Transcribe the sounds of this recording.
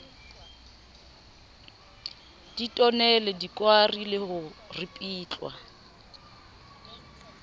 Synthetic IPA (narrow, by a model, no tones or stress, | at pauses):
d̥itʼɔnɛlɛdikʼwarilɪhʊrɪpʼiːt͡ɬʼwa̰